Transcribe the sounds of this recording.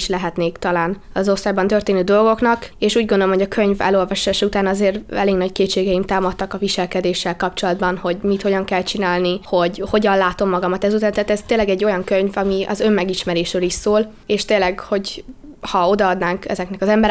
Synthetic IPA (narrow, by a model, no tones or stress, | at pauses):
ʃlɛɦɛt̪neːkt̪ɒlaːn | ɒzo̞st̪aːjbɒnt̪ørt̪eːnøːd̪o̞lɡo̞knɒkeːʃuːɟɡo̞nd̪olomɦoɟɒkʰø̞ɲvɛ̰lo̞lvɒʃaːʃut̪aːnɒzeːrɛ̰leːɡnɒckeːt͡ʃeːɡɛjimt̪aːmɒt̪ːɒkɒviʃɛlkɛd̪eːʃːɛlkɒp̚t͡ʃo̞lɒd̪bɒnho̞ɟmit̪ho̞ɟɒŋkɛlt͡ʃinaːlniho̞ɟho̞ɟɒnlaːt̪o̞mːɒɡɒmɒt̪ɛzut̪aːnt̪ɛaːt̪ɛz̥t̪eːlːɛɡɛɟːo̞jɒŋkøɲvɒmiʔɒ̰zø̞mːɛɡiʃmɛɾeːʃɾøːliʃsoːl | eːʃt̪eːlːɛɡho̞ɟ | hɒo̞d̪ɒɒd̪naːŋkɛ̰zɛknɛkɒzɛmbɛɾ